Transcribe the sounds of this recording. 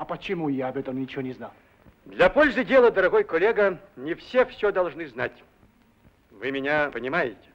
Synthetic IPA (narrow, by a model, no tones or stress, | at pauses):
ɐpət͡ɕɪmujaɐbɛt̪əmnʲɪt͡ɕɪvonʲɪzna | d̪lʲɐpolʲzɨdʲelˠəd̪əɾɐɣojkɔlʲeɡənʲɪfsʲefsʲod̪ɐlˠʐnɨznatʲ | vɨmʲɪnʲapənʲɪmajɪtʲɪ̥